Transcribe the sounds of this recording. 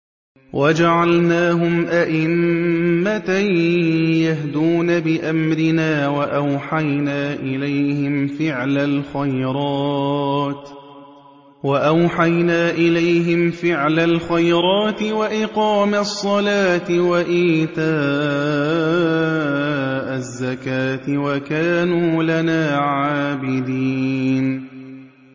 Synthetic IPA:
wʔad͡ʒaʕalnaːɦʊmʔaʔɪmː | at̪a | jaɦd̪uːnabɪʔamɾɪnaːwaʔawħajnaːʔɪlajhɪmfɪʕlalxajɾˤɑːt̪ | waʔawħajnaːʔɪlajɦɪmfɪʕlalxajɾˤɑːt̪ɪwaʔɪqɑːmasˤːɑlaːt̪ɪwaʔiːt̪aː | ʔazːakaːt̪ɪwakaːnuːlanaːʕaːbɪd̪iːn

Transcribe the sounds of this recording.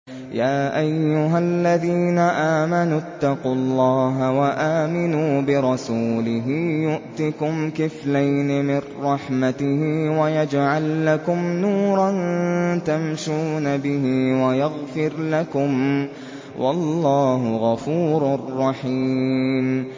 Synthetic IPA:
jaːʔajːʊɦalːaðiːnaʔaːmanʊt̪ːɑqulˤːɑːɦawaʔaːmɪnuːbɪɾˤɑsuːlɪɦɪjʊʔt̪ɪkʊmkɪflajnɪmɪnːɑħmat̪ɪhɪwajad͡ʒʕalːakʊmnuːɾˤɑnt̪amʃuːnabɪɦɪwajaɣfɪɾlakʊm | wʔɑlːɑːɦʊɣɑfuːɾarˤːɑħiːm

